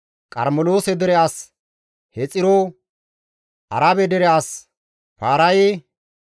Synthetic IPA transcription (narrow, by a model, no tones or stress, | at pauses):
kʼɐ̰ɾmɔloːsɛd̪ɛɾɛaːs | hɛt͡sʼːɪɾo | ʔɐ̰ɾaːbɛd̪ɛɾɛaːs | paːɾɐje